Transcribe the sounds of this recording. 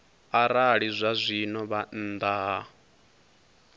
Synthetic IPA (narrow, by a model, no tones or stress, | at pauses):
aɾaɺizʷazʷinɔβand̪a